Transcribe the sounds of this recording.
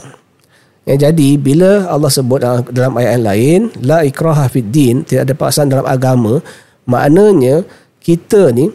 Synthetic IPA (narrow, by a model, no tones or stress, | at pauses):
jad͡ʒadibiləalːɑhsəbʊt̪̚adalamajaʔanlaɪnlaikɾaɦahfid̪int̪idaʔadapa̰ksandalamʔa̰ɡamã | ma̰ʔnə̃ɲə̃ | kit̪əni